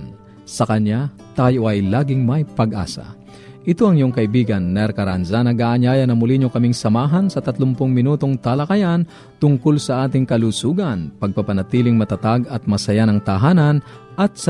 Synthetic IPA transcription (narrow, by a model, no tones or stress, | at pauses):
n | sɐkɐɲa | t̪aːjo̞ʔɐjlaːɡɪŋmɐjpɐɡʔa̰ːsɐ̰ | ʔɪt̪oɐŋɪjoŋkɐʔɪbiːɡɐnːɛɾkɐɾanzanɐɡaʔɐɲaːjɐnɐmʊliɲokɐmiŋsɐmaːɦɐnsɐt̪ɐt̪lompʊŋmɪnuːt̪o̞ŋt̪alɐkɐjan | t̪ʊŋkolsɐʔaːt̪ɪŋkɐlusuːɡɐnpɐɡ̚pɐpɐnɐt̪iːlɪŋmɐt̪ɐt̪aɡɐt̪̚mɐsɐjanɐŋt̪ɐɦaːnɐn | ʔɐt̪̚s